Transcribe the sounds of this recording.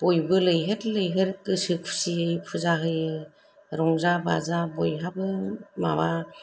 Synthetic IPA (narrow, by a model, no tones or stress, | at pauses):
b̥ɔjbɯlɯjɦɯtlɯjɦɯɾkɯsɯk̚ʰsiɯjpʰɯzaɦɯjɯ | ɾɔŋzaba̰zabɔjɦabɯma̰ba